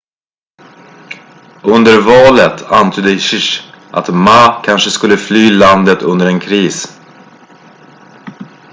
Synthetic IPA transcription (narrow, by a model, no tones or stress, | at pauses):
ɵnd̪əɾvɑːlət̪ʰant̪ʰyːd̪əɕɪʂʔa̰t̪maːkʰanʂəskɵlːəflyːland̪ət̪ɵnd̪əɾɛnkʰɾiːs